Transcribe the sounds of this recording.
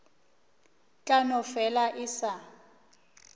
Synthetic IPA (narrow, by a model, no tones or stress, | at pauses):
t͡ɬʼanɔfɛlaʔɪsa